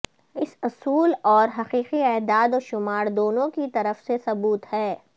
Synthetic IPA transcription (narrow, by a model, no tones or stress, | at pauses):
ɪsʊsuːlɔːɾɦɐqiːqiɛːd̪aːd̪oːʃʊmaːɾd̪oːnõkit̪ɐɾəfsesɐbuːt̪hɛː